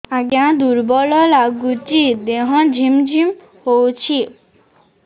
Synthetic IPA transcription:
aɡjãd̪uɾbɔlɔlaɡut͡ʃid̪eɦɔ̃d͡ʒʱimd͡ʒʱim | howt͡ʃʰi

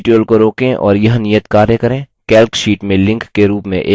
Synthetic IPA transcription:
ʈjoːlkoɾoːkẽʔɔ̰ːɾjɐɦnijət̪kaːɾjekɐɾẽː | kɛːlkʃiːʈmẽlɪ̃ŋkːeɾuːpmḛ̃ʔeː

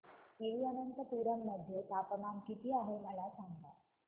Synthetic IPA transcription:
keʋiːənənt̪əpuɾəmːəd̪ʱjet̪apəmamkit̪iːaɦeməlasaŋɡt̪a

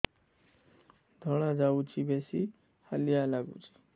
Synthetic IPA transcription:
d̪ʱɔɽ̃ãd͡zaut͡ʃʰibesi | halijalaɡṵt͡ʃʰi̥

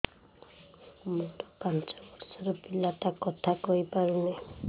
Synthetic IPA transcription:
moʈ̪ɔpant͡ʃɔbɔɾsɔɾɔpilat̪akɔt̪ʰakɔipaɾunej

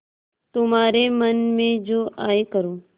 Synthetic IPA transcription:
t̪ʊmaːɾemɐnmẽd͡ʒoːʔaːekəɾoː

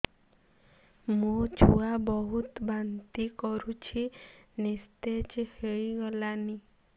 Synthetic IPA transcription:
mũt͡ʃʰuabɔɦut̪bant̪ikɔɾut͡ʃʰinist̪et͡ʃheɭiɡɔlani

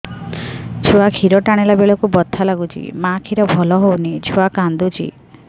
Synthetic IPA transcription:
d͡ʒʰʱuakʰiɾɔʈaɽ̃elabeɭɔkubɔt̪ʰːalaɡut͡ʃʰḭmãkʰiɾɔbʱɔlɔɦownid͡ʒʰʱuakand̪ut͡ʃʰḭ

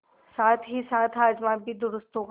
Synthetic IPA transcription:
saːt̪ʰɦisaːt̪ʰɦaːd͡ʒmãbʱid̪ʊɾʊst̪õk

